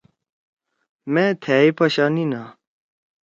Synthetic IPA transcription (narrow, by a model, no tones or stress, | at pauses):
mẽt̪ʰeːipɐɕanina